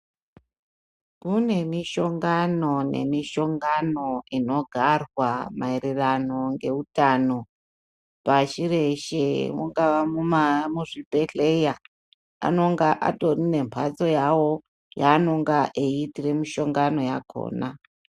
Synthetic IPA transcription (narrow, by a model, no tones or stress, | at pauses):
kune̞miʃo̞ŋɡano̞ne̞̰miʃo̞ŋɡano̞ino̞ɡʱarwamaiɾerano̞ŋɡe̞utano̞ | paʃire̞ʃemuŋɡaʋamumamuʐipe̞ɬeja | a̰no̞ŋɡaʔa̰to̞rine̞mpʰat͡so̞jawo̞ | jano̞ŋɡaʔeitire̞miʃo̞ŋɡano̞jakʰo̰ːna̰